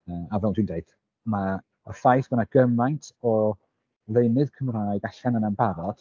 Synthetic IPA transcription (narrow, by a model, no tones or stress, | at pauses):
əːavɛlˠntʰwindeɨd̥ | ma | ɔfajθb̥ənaɡ̥əmajntʰɔ | lejnɨðkʰəmraːɨɡaɬanənanbaɾɔd̥